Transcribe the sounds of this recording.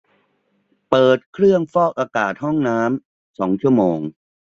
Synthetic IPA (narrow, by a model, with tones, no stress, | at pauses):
pɤː˨˩t̪̚kʰɾɯ˥˩əŋfɔː˥˩k̚ʔaː˧kaː˨˩t̪̚hɔ˥˩ŋnaː˦˥m | sɔː˩˦ŋt͡ɕʰu˥˩əmoː˧ŋ